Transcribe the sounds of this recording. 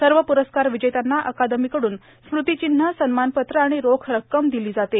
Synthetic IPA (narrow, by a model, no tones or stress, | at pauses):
səɾʋəpuɾəskaɾʋid͡ʑəjt̪anːaʔəkad̪əmikəɽuːn | smɾut̪it͡ɕin̤ːəsənmanpət̪ɾəaɽ̃iɾokʰɾəkːəmd̪iliːd͡zat̪e